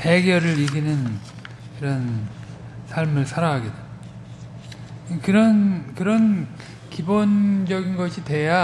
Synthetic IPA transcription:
peɡjʌɾɯɾiɡinɯn | kɯɾʌn | sʰaɭmɯɭsʰaɾaɦaɡet | kɯɾʌnkɯɾʌn | kibond͡ʑʌɡinɡʌɕʰitwe̞ja

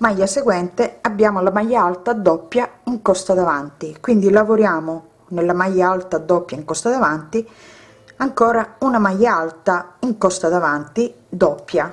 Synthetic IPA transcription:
majːaseɡwɛnt̪eabːjaːmolamajːaalt̪ad̪ːɔpːjaiŋkɔst̪ad̪avant̪ikwind̪ilavoɾjaːmo | nelːamajːaalt̪ad̪ɔpːjaiŋkɔst̪ad̪avant̪i | aŋkɔːɾaunamajːaalt̪aiŋkɔst̪ad̪avant̪i | d̪ɔpːja

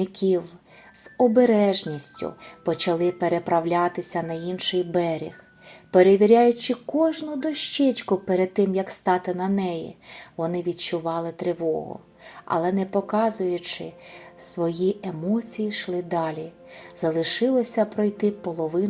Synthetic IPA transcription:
ɪkʲiw | z̥ɔbeɾɛʒnʲisʲtʲʊ̰pɔt͡ʃɐlˠɪpeɾepɾɐwlʲat̪ɪsʲɐnɐjinʃɪjbɛɾʲḭx | peɾeʋʲiɾʲajʊt͡ʃɪkɔʒnʊd̪ɔʃt͡ʃɛt͡ʃkʊpeɾed̪̚t̪ːɪmjɐkst̪ɑt̪ɪnɐnɛjḭʋɔnɪʋʲid̪̚t͡ʃʊʋɑlˠɪt̪ɾeʋɔ̰ɦʊ̰ | ɐ̰lˠɛnɛpɔkɑzʊjʊt͡ʃɪ̰sʋɔjiʔemɔt͡sʲijiʃlˠɪd̪ɑlʲi | zɐlˠɪʃɪlˠɔsʲɐpɾɔjt̪ɪpɔlˠɔʋɪn

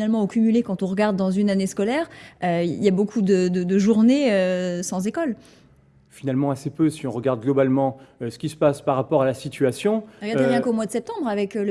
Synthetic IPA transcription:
nalmɑ̃okʲymylekɑ̃t̪ɔ̃ʁəɡaʁd̪ːɑ̃zynaneskɔlɛːʁøḭljabokʰud̪əd̪əd̪əʒuʁneøsɑ̃zekɔl | finalmɑ̃asepøsiɔ̃ʁəɡaʁd̪̚ɡlɔbalmɑ̃øsə̥kʲisə̥paspaʁːapɔʁalasit̪ʰyasjɔ̃ʁəɡadd̪əʁjɛ̃komwad̪əsɛp̚t̪ɑ̃bʁavɛkl

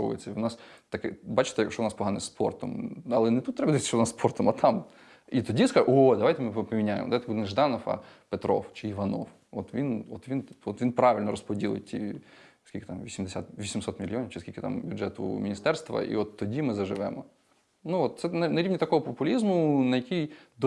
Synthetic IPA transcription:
oʊ̰jɪ̰sʲɐʋnɑs | t̪ɐkɛbat͡ʃɪ̥t̪ɛʂɔʊnɑspɔɦanɪspo̰rt̪ɔmɐlˠɛnɛt̪ut̪ːɾɛbɐzʲt̪ʲʃt͡ʃɔʊnasspʰort̪ɔmɐt̪ʰam | it̪ɔdʲiskaod̪ɐʋajt̪ɪmɪpɐmʲɪnʲajɪ̰mɔd̪ʋajt̪bud̪nnʒd̪ɑnɔfɐ̰pɛt̪ɾo̰ft͡ʃɪiʋɐno̰f | ɔt̪ʋʲinɔt̪ʋʲinɔt̪ʋʲinpɾɑʋʲɪlʲnɔɾɔspɔdʲilˠɪ̰jʲtʲʰḭ | skʲilʲkɪt̪amʋʲisʲimd̪ɪsʲa̰t̪ʋʲisʲimsɔt̪mʲilʲːiɔnʲɪwt͡ʃɪskʲilʲkʲɪ̥t̪a̰mbʲʊdʐɛt̪ʊ̰mʲinʲist̪ɛrst̪ʋɐ̰ʔḭɔt̪ːɔdʲimɪzɐʒɪʋɛmɔ | nuɔt̪̚sɛnɐnɐɾʲiʋnʲit̪ɐkɔɦɔpɔpʊlʲizmʊnɐjɐkʲijd̪

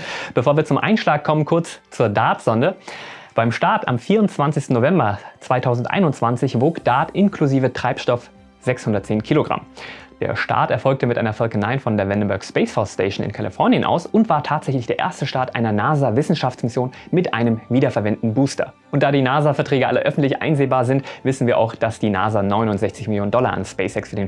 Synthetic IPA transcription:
b̥əfoːɐviːɐt͡sʊmʔa̰ɪnʃlaːkkʰːɔmənkʰʊɐt͡st͡suːɐdaːtz̥ɔndəb̥aɪmʃtaɐta̰mfiːɐʊntt͡sv̥ant͡sɪçstn̩noːvɛmbɐt͡sv̥aɪtʰaʊzn̩tʔa̰ɪnʊntt͡sv̥ant͡sɪçv̥oːkd̥aːtʔɪnkʰluziːvətʁ̥aɪpʃtɔf | z̥ɛkshʊndɐt̚t͡seːnkʰiːloɡʁa̰md̥ḛːɐʃta̰ːtɛɐfɔlk̚təmɪtʔa̰ɪnɐfɔlkənaɪnfɔndeːɐvɛndəm̩bœɐkspeɪsfɔssteɪʃn̩ɪ̰nkʰalifɔɐnjənʔa̰ʊsʊntv̥aːɐtʰaːtz̥ɛçlɪçd̥eːɐʔḛːɐstəʃtaːɐtʔaɪnɐnaːzavɪsn̩ʃaft͡smɪsjoːn | mɪtʔa̰ɪnəmviːdɐfɛɐvɛntn̩buːstɐ̰ | ʔʊntd̥aːdiːnaːzafɛɐtʁ̥ɛːɡəʔa̰ləʔœfn̩tlɪçʔa̰ɪnzeːbaːɐzɪntvɪsn̩viːɐʔa̰ʊxd̥asd̥iːna̰ːzanɔʏnʊntzɛçt͡sɪçmɪljoːnəndɔla̰ʔa̰nspeɪsɛksfyːɐdeːn

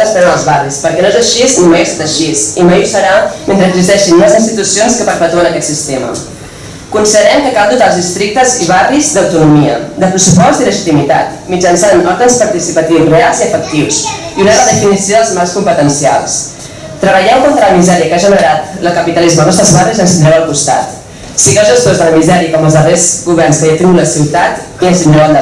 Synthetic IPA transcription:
əspɛzðəlˠzβarispəɾkɛnoezəʃiznimejast̪at̪əʃizimajusəɾament̪ɾəɡzist̪ɛʃinəzinst̪it̪usionskəpəɾpət̪uənəkɛt̪sist̪emə̰ | kunsiðəɾɛmkəkalˠd̪ut̪aəlˠzðist̪ɾik̚t̪əziβ̞arizd̪əwt̪unumiəd̪əpɾəsupɔst̪iləʒit̪imit̪a̰t̪mid͡ʒənsanɔɾðənspəɾt̪isipət̪iwzrealˠziəfək̚t̪iwsiunərəðəfinisijoðəlˠzmalˠskumpət̪ənsia̰lˠs | t̪ɾəβəʎɛwkont̪ɾələmizɛɾiəkaʒənəɾat̪əlˠkəpit̪əlizməlnɔsəzβarizənsinɾɛwəlˠkust̪a̰t̪ | siɣəlˠzʒəst̪ozðələmizɛɾiəkɔməlzðərezɣuβɛrnskəjət̪iuləsiwt̪at̪ | iəsinoald̪ə

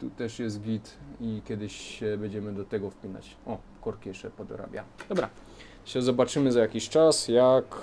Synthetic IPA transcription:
t̪ut̪ɛʂjɛs̬t̪̚ɡʲit̪ikʲjɛd̪ɘɕɕɛbɛɲd͡ʑɛmɘd̪ɔt̪ɛɡɔfpʲina̰t͡ɕ | ɔ | kɔɾkʲijɛʂt͡ʂɛpɔd̪ɔ̰ɾa̰bʲja̰d̪ɔbɾa | ɕɛzɔbat͡ʂɘmɘzajakʲiɕt͡ʂasjak

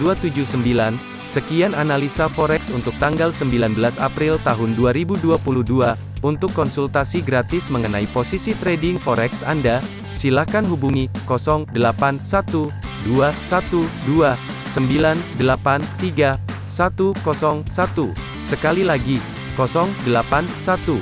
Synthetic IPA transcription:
duat̪ud͡ʒuhsəmbilan | səkiananalisafɔɾɛksunt̪ʊk̚t̪aŋɡalsəmbilanbəlasa̰pɾilt̪aɦʊnduaɾibuduapuluhdua | unt̪ʊkːɔnsult̪asiɡɾat̪ɪsməŋənaiposisit̪ɾedɪŋfɔɾɛksa̰nda | silakanɦubuŋikɔsɔŋdəlapansat̪uduasat̪udua | səmbilandəlapant̪iɡa | sat̪ukɔsɔŋsat̪u | səkalilaɡi | kɔsɔŋdəlapansat̪u

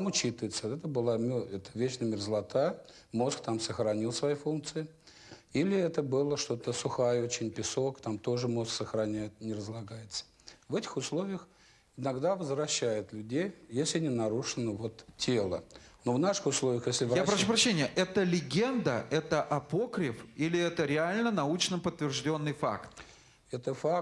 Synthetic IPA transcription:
mʊt͡ɕit̪ɨvɪt̪səɛt̪əbɨlˠamʲɛt̪əvʲet͡ɕnəmʲɪrzəlˠɐt̪ajə | mo̞skt̪amsəxɾɐnʲilˠsvɐjifunk̚t̪sɨɪ | ilʲɪɛt̪əbɨlˠəʂt̪o̞t̪əsʊxajəot͡ɕɪnʲpʲɪso̞kt̪amt̪o̞ʐɨmo̞sksəxɾɐnʲæjɪt̪̚nʲɪrəzlˠɐɡajɪt̪sə̥ | vɛtʲɪ̥xʊslˠo̞vʲɪjəx | ɪnɐɡd̪avəzvɾɐɕːæjɪt̪lʲʉdʲejjesʲlʲɪnʲɪnɐɾuʂɨnəvo̞t̪tʲːelˠə̰novnaʂɨ̥xʊslˠovʲɪjəxjesʲlʲɪvjapɾɐʂʂupɾɐɕːenʲɪjəʔɛt̪əlʲɪɡʲend̪əɛt̪əʔɐpo̞kɾʲɪfilʲɪɛt̪əɾʲɪalʲnənɐut͡ɕnəpət̪ːvʲɪrʐdʲo̞nːɨjfa̰kt̪ | ɛt̪əfa

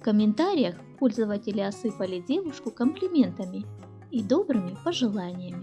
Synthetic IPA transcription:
fkəmʲɪnt̪aɾʲɪjəxpo̞lʲzəvətʲɪlʲɪɐsɨpəlʲɪdʲe̞vʊʂkʊkəmplʲɪmʲe̞nt̪əmʲɪ | id̪o̞bɾɨmʲɪpəʐɨlˠanʲɪjəmʲɪ

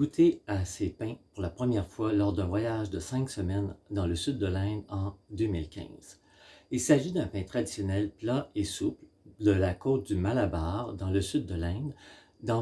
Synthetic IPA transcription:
ɡut̪ʰeasepɛ̃puʁlapχəmjɛʁfwalɔʁd̪ɛ̃vwajaʒd̪əsɛ̃ksəmɛnd̪ɑ̃ləsyd̪ːəlɛ̃ːd̪ɑ̃d̪ømilkʲʰɛ̰̃ːz̥ | ilsaʒid̪ɛ̃pɛ̃t̪χad̪isjɔnɛlplaesupl | d̪əlakoːt̪̚d̪ymalabaːʁd̪ɑ̃ləsyd̪̚ːəlɛ̃d̪ː | ɑ̃

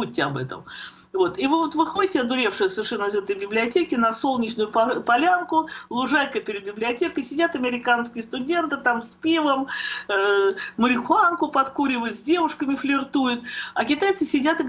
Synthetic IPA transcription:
uːɪɐbɛ̰t̪ə̰m | vo̞t̪ivɨvo̞t̪vɨxo̞dʲɪtʲɪɐd̪ʊɾʲe̞fʂɨjəsəvʲɪrʂɛnːəɪzɛt̪əjbʲɪblʲɪɐtʲekʲɪnɐsolˠnʲɪt͡ɕnʊjʊppɐlʲankʊlˠʊʐajkəpʲɪɾʲɪd̪̚bʲɪblʲɪɐtʲekəjsʲɪdʲat̪ɐmʲɪɾʲɪkanskʲɪjəst̪ʊdʲe̞nt̪ɨt̪amsʲpʲivəm | məɾʲɪxʊankʊpɐt̪kuɾʲɪvəjʊt̪zʲdʲe̞vʊʂkəmʲɪflʲɪrt̪ujʊt̪ɐkʲɪt̪ajt̪sɨsʲɪdʲat̪ɨ

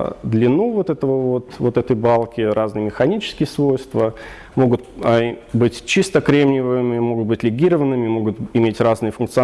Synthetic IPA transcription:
d̪lʲɪnuvo̞t̪ɛt̪əvəvo̞t̪vo̞t̪ɛt̪əjbalˠkʲɪɾʔaznɨjəmʲɪxɐnʲit͡ɕɪ̥skʲɪjəsvo̞jst̪və | mo̞ɡʊt̪əbɨtʲt͡ɕist̪əkɾʲemnʲɪvɨmʲɪmo̞ɡʊt̪̚bɨtʲlʲɪɡʲiɾəvənːɨmʲɪmo̞ɡʊt̪ɪmʲetʲraznɨjəfʊnkt̪sɨɐ

